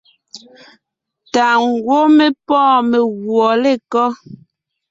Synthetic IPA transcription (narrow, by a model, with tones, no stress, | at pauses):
ta˨ŋ˨ɡwo˦me˦pɔ̃ː˦˨me˨ɣwɔ˨le˦˨kɔ˦